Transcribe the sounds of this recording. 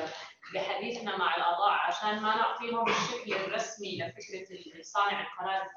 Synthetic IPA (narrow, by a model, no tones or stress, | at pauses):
bɪħad̪iːθnamaʕɪlʔɑd̪ˤɑːʕʕaʃaːnmanɪʕt̪ˤiːɦʊmbɪʃːaklɪrˤɑsmiʔlafɪkɾɑlʔɪnsaːniʕanqɑnaːt̪